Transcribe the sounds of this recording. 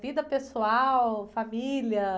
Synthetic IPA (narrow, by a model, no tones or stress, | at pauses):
vid̪ɐpesuawfamiliɐ